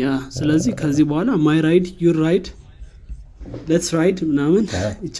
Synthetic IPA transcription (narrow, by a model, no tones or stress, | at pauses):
jasɨləzːihkʰəzːihbəhʷalamajɾajd̪juɾːajd̪ | lɛt̪sɾajd̪mɨnamɨnɪt͡ʃː